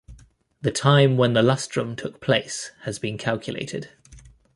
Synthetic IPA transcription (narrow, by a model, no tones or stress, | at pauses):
ðətʰãɪ̃mwə̃nðəlʌstɹ̥ə̃mtʰʊk̚pʰl̥eɪshəzbĩnkʰalˠkʰjəlḛɪtʰɪ̰d̥